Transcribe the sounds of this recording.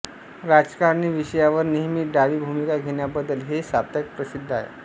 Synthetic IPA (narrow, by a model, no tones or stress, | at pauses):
ɾad͡zkaɾniːʋiɕəjaʋəɾniɦmiɖaʋiːbʱumikaɡʱeɳjabəd̪ːəlɦesap̚t̪ək̚pɾəsid̪ʱːaɦḛ